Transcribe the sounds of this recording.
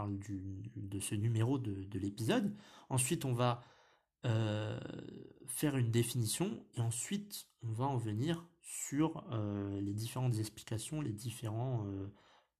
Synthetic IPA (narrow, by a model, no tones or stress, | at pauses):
ld̪yd̪əsənymeʁod̪əd̪əlepizɔd̪ɑ̃sɥit̪ɔ̃va | ø | fɛʁynd̪efinisjɔ̃eɑ̃sɥit̪ | ɔ̃vaɑ̃ʁəvəniʁ | syʁøled̪ifeʁɑ̃t̪zɛkspli̥kʲasjɔ̃led̪ifeʁɑ̃ø